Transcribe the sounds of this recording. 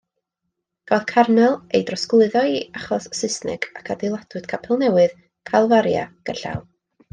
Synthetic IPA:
ɡ̥aðkʰarnɛlˠejdrɔsklˠɨðɔiaχɔsːɨsnɨ̰ɡ̥akʰadɪlˠadwɨd̥kʰapʰɛlˠnɛwɨð | kʰalˠvaɾja̰ɡ̥əɬa̰lˠ

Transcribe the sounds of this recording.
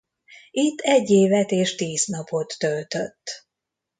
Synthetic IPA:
it̪ːɛɟːeːvɛt̪eːʃt̪iːznɒpo̞t̪ːølt̪øt̪ː

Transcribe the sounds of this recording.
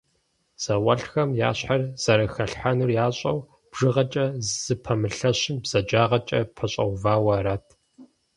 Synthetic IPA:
z̥ɐwʷɐɬxɐmja̰ːɕħarz̥ɐɾɐxɐɬħanurjaːɕʼɐw | b̥ʐ̥ɨʁɐt͡ʃʼɐzzɨpʰɐmɨɬɐɕɪnbz̥ɐd͡ʒaːʁɐt͡ʃʼɐ̰pʰɐɕʼɐ̰wvaːwɐɾɐtʰ

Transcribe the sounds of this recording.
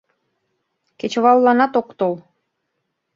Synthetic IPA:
kʲet͡ɕβɑlˠːɑnɑt̪okt̪olˠ

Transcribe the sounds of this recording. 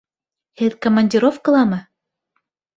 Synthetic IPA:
hɘðkomɐnʲdʲiɾofkɤ̆lˠɑmɤ

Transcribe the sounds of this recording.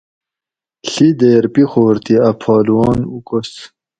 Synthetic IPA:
ɬid̪eːɾpixoːɾt̪ʰiɐpʰɑːluwɑːnukos

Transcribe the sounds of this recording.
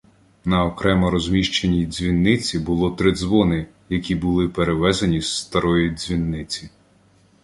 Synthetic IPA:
nɐɔkɾɛmɐɾɔzʲmʲiʃt͡ʃenʲizʲʋʲinːɪt͡sʲibʊlˠɔt̪ɾɪd̪zʋɔnɪ | jɐkʲibʊlˠɪpeɾeʋɛzɐnʲisːt̪ɐɾɔjizʲʋʲinːɪt͡sʲi

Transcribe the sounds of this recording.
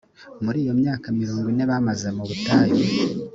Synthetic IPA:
muɾiːjo̞mɲaːkamiɾuːŋɡwine̞βamaze̞muβutaːje

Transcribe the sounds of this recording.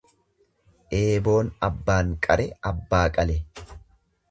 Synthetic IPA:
ʔe̞ːbo̞ːnɐbːaːŋkʼɐɾɛɐbːaːkʼɐlɛ

